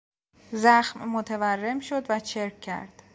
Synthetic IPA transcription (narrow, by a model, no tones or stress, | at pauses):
zæxmːot̪ʰeværːe̞mʃo̞d̪væt͡ʃʰeɾkcʰːæ̰ɾd̪̥